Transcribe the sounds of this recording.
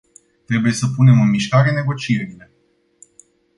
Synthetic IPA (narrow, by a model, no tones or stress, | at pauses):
t̪ɾe̞buje̞səpune̞mɨnmiʃkaɾe̞ne̞ɡo̞t͡ʃieɾile̞